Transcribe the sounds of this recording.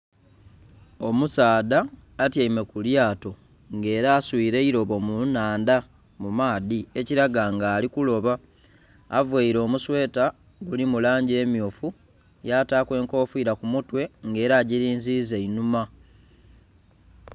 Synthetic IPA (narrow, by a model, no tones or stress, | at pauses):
o̞musaːdaːtjaime̞kuljaːto̞ | ŋɡe̞ːɾaːswiːɾe̞iɾo̞βo̞munaːnda | mumaːðieciɾaɡaŋɡaːlikulo̞βaː | vweiɾo̞ːmuswe̞ːta | ɡulimulaːɲɟie̞mjo̞ːfu | jaːtaːkwe̞ːŋko̞ːfuiːɾakumutwe̞ŋɡe̞ːɾaːɟiɾiːnzize̞inuma